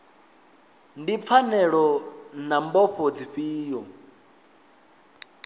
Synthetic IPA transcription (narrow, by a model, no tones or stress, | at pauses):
ndip̪fʰanɛɺɔnambɔɸʰod͡ziɸiːjɔ